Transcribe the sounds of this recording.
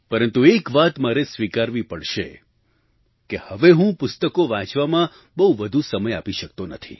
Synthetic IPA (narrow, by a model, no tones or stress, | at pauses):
pəɾənt̪uekʋat̪maɾesʋikaɾʋipəɽʃe | kehəʋeɦũpʊst̪əkoʋãt͡ʃʋamã | bəɦuʋəd̪ʱusəməjapiʃək̚t̪onət̪ʰḭ